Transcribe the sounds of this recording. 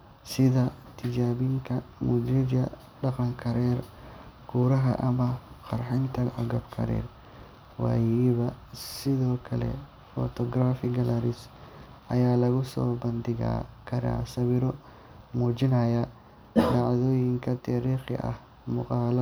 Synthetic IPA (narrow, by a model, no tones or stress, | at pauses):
sɪðɐt̪ʰɪd͡ʒaːβɪŋkʰɐmʊd͡ʒ̪ɾɪd͡ʒɐ | ɖɑqɑŋkʰɐɾɛːrɡʰuːɾɐɦɐ̰ʔɐmɐqɑrħɪnt̪ʰɐʕɑɡɐbkʰɐ̰ɾɛ̰ːr | wɑ̰ːjɛβɐ | sɪðɔːkʰɐlɛ̰ | fɔ̰t̪ʰɔɡraːfɪɡɐlɐɾɪs | ʔɐjaːlɐɣʊsɔ̰ːbɐnd̪ɪɣa̰kʰɐɾa̰ːsɐβɪɾɔ | muːt͡ʃɪnɐjɐ | ɖɑʕðɔːjɪŋkʰɐt̪ʰaːɾiːχɪ̰ʔɐ̰h | mʊqɑːlɐ